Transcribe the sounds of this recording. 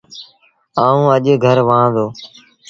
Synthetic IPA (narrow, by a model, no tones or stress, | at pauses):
aːũːəʄɡʱəɾʋãːd̪oː